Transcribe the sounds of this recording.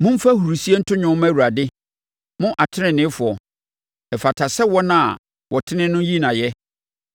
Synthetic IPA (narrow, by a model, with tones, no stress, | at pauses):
mʊ̃˦m̩˦fa˦hu˨ɾu˨si˦e˦n̩˦tʰʊ˦ɲᶣʊ̃˦mæ˦˨wu˨ɾa˨dɪ˦ | mʊ̃˦ʔa˨tʰɪ˦nɪ̃˨nɪ̃˦fʊ˨ɔ˨ | ɛ˨fa˨tʰa˨sɛ˦wɔ˦nã˦˨ | wʔɔ˨tʰɪ˦nɪ̃˦nʊ̃˦ji˦nã˨jɛ˦